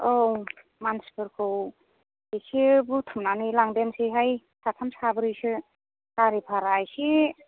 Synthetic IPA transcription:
ow | manspʰɯɾkʰɯw | isibutʰɯmnanilaŋdensiɦaj | satʰamsabɯɾɯjsɯ | kaɾipʰaɾajsi

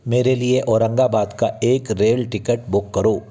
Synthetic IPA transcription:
meːɾelieʔɔːɾə̃ŋɡabaːd̪kaeːkɾeːlʈɪkəʈbʊkːɐɾoː

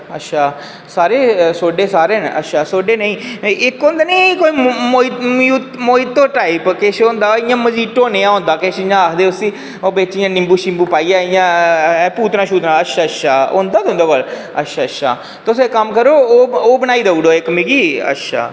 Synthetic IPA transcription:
ə̰tːʃʰaː | saːɾeːsoːɖeːsaːɾeːnə̰tːʃʰaːsoːɖeːnəĩːɪkoːnd̪aːnəːkoːiːmoːimjuːt̪moːit̪ːõːʈaːipkeʃõnd̪aːɪjãːməd͡ʒiːʈõːneːãːɦõːnd̪aːkeːʃɪjãːakʰd̪eːʊsiː | oːbeːt͡ʃɪjãːnɪmbuːʃɪmbuːpaːiːaːɪjãːpuːt̪nãːʃuːt̪nãːətʃʰaːətʃʰaːõːnd̪aːd̪õːnd̪oːʋəl | ə̰tʃʰaːətʃʰa̰ː | t̪ʊsekəmkəɾoːoːbənaːiːd̪uːɽoːɪkmiɡiːə̰tʃʰa̰ː

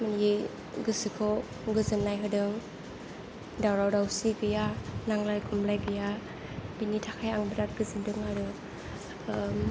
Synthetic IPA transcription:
mani | ɡɯsɯkʰɯw | ɡɯzɯnːajɦɯdɯŋ | dawɾawdawsiɡɯjanaŋlajɡʰumlajɡɯja | binitʰakʰajaŋbɯɾat̚ɡɯzɯndɯŋaɾɯ

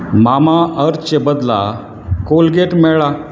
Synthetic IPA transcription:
mamaəɾt͡ɕebəd̪la̰ | kolɡeʈmɛɭa

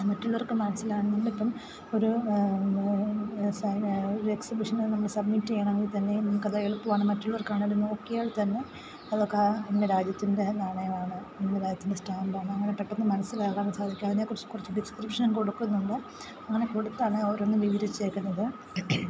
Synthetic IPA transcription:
mɐtːuɭːʋorkːɨmɐnɐsːilaːɳɨnɐmːɐɭipːɐm | o̞ɾu | soɾeksibuʂɐnnɐmːɐɭɨsɐbmitːiejaːɳɐmɐŋːit̪ɐnːe̞nɐmːukːɐðaːeɭupːuʋaːɳɨmɐtːuɭːɐʋorkːaːɳɾuno̞ːkːijaːɭt̪ɐnːe̞ | ɐðokːeendeɾaːd͡ʑjɐt̪ːinde̞naːɳɐjɐmaːɳɨnɐmɖeɾaːd͡ʑjɐt̪ːindesʈaːmbaːɳɨɐŋːɐnepeʈːonːɨmɐnɐsːilaːɣaːɳɨsaːd̪ʱikʲːumɐɐɲːaːkurɐt͡ɕːɨ̥kurɐt͡ɕːɨɖiskripʂɐnko̞ɽukːunːuɳɖɨ | ɐŋːɐne̞ko̞ɽut̪ːaːɳɨɐʋɐronːɨʋiʋiɾit͡ɕːeːkʲːunːɐðɨ

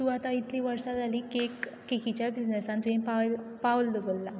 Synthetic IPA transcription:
t̪uat̪ait̪liʋəɾsad͡zʱalikekː | ekit͡ɕjabid͡znesãnt̪ʋẽnpalpawəld̪əbəlːa

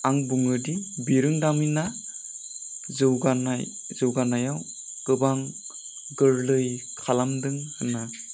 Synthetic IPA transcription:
aŋbuŋɯdibiɾɯŋdamina | zɯwɡana̰jzɯwɡanajaw | ɡ̥ɯbaŋ | ɡɯɾlɯjkʰalamdɯŋhɯna

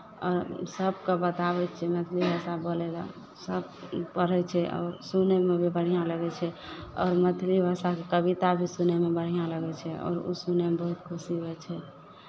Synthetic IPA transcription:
ɔːɾsəb̚kebət̪abɛt͡ʃʰɛmət̪ʰlibʱasaboleɡa̰ | səbpəɽ̤ɛt͡ʃʰɛʔɔ̰ːɾsunemebʱibəɽ̤ijãləɡɛt͡ʃʰɛɔːɾmət̪ʰlibʱasakekəbit̪abʱisunemebəɽ̤ijãləɡɛt͡ʃʰɛɔ̰ːɾṵsunemebəɦut̪kʰusiɦɛɛt͡ʃʰɛ

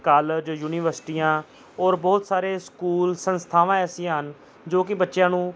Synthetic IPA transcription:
kaːləd͡ʒjuːnɪʋəɾsʈiːjãː | ɔːɾbɔːt̪saːɾeːskuːlsənst̪ʰaːʋãːɛːsɪ̃jãːɦən | d͡ʒoːkɪbətːʃjãːnũː

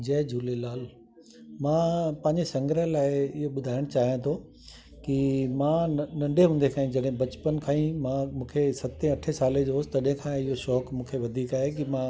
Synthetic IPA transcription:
d͡ʑɐːd͡ʑʱuːlelaːl | mãːpɐ̃ɦɪ̃ɲd͡ʑesɐ̃ŋɡɾəlaːɪɪɦoɓʊd̪ʱaːɪɽ̃t͡ɕaːɦijãt̪ʰo | kimãːnɐ̃ɳɖʱeɦũːnd̪ekʰaːĩd͡ʑɐɗɦɪ̃bɐt͡ɕpənkʰãːĩmãmũːkʰesɐt̪ẽɐʈʰesaːled͡ʑost̪ɐɗɦɪ̃kʰãːɪɦoʃɔːkmũːkʰeʋɐd̪ʱiːkaːɦek̬imã

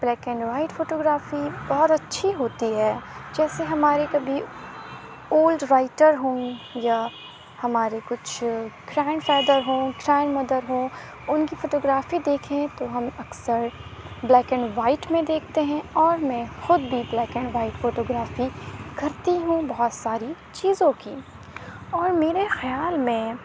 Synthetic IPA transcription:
b̥lɛːkɛ̃ɳɖʋaːɪʈfoːʈoːɡɾaːfibɔɦt̪ɐtːʃʰiɦoːt̪iɦɛːd͡ʒɛːseɦɐmaːɾekɐbʱi | oːlɖɾaːɪʈəɾɦõːja | hɐmaːɾekʊt͡ʃʰɡɾɛ̃ːɳɖfɛːd̪əɾɦõːkɾɛːɳmɐd̪əɾɦõː | ʊnkifoːʈoːɡɾaːfid̪eːkʰẽt̪oɦɐmɐksəɾ | blɛːkə̃ɳɖʋaːɪʈmẽd̪eːkʰt̪eɦɛ̃ɔːɾmɛ̃xʊd̪bʱiblɛːkə̃ɳɖʋaːɪʈfoːʈoːɡɾaːfikɐɾt̪iɦũbɐɦɔt̪saːɾi | t͡ʃiːzõkiː | ɔːɾmeːɾexjaːlmẽ

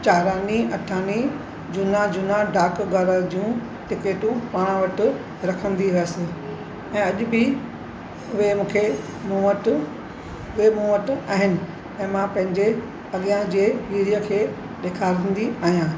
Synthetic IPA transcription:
t͡ɕaːɾaːniɐʈʰaːni | d͡ʑʊnad͡ʑʊnaɖaːkɡɐɾəɾd͡ʑũ | ʈɪkeːʈũpaːɽ̃ə̃ʋɐʈɪ̆ | ɾɐkʰə̃nd̪iɦʊəsɪ̆ | ɛ̃ːɐʄʊbɪ | ʊɦemũːkʰe | mũəʈ | ʊɦemũːəʈa̰ːɦɪnɪ̆ | ɛ̃ːmãpɐ̃ɦɪ̃ɲd͡ʑe | ɐɠijãd͡ʑeːʋiːɾijəkʰeː | ɗeːkʰaːɾə̃nd̪iaːɦijãː

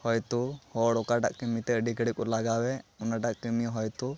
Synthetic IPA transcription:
hɔjt̪uhɔɽɔkaʈa̰ʔkəmit̪ɛəɖikəɽik̚ʼɔlaɡawɛɔnaʈaʔkəmiɦɔjt̪u

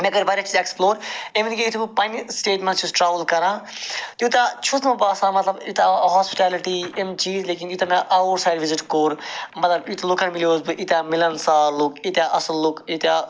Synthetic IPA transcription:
meɡɐɾʋɐːɾʲjat͡ʃiːzeksploːɾeʋnikijit̪ʰubɨpɐnʲsʈeːʈmẽnt͡ʃʰusʈɾaːʋəlkɐɾãːt̪jut̪at͡ʃʰusmɐbaːsãːmɐt̪lɐbit̪aɦaːspi̥ʈaːliʈiemt͡ʃiːzleːkinjut̪amaʔaʋəɾsaːjɖʋiziʈkoːɾmɐt̪lɐbjit̪ʰulukʰãnmilijoːzbɨʔit̪ʲjamilɐnsaːlukit̪ʲjaʔɐsɐlːukit̪a

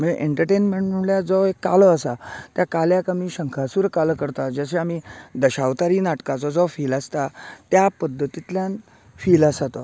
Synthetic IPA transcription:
məeʔeɳʈəɾʈenmeɳʈm̤əɳljad͡zɔekːa̰lɔəsat̪jakaljakamiːɕəŋkʰasuːɾkaləkəɾt̪ad͡zəɕ̬eamid̪əɕaʋt̪aɾiːnaʈkat͡sɔd͡zɔfiːlast̪at̪japəd̪ʱːət̪it̪ljan | fiːlasat̪ɔ

